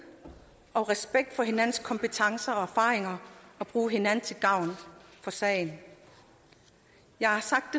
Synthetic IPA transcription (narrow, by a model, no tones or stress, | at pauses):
ʔɒ̽ʁɛsb̥eɡ̥̚d̥fɒ̽ɦe̝nænn̩skʰɒ̽mpʰet͡sʰɑ̈ŋsɐɒ̽æɐfɑ̈ːʁeŋɐɒ̽b̥ʁuːɦe̝nænn̩t͡sʰe̝lɡ̥ɑ̈ʊ̰nfɒ̽sɛ̰ːɪn | jɑ̈ɪhɑ̈sɑ̈ɡ̥̚d̥e